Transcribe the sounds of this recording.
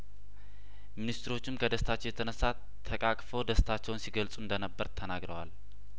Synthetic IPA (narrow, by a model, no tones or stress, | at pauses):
minist̪ʰɾo̞t͡ʃːɪmkʰəd̪əst̪ʰat͡ʃːɛwjɛt̪ʰənəsːa | t̪ʰːəkʼakʼfəwd̪əst̪ʰat͡ʃːɛwnsiɡəlsʼuɨnd̪ənəbːəɾt̪ʰənaɡɾəwal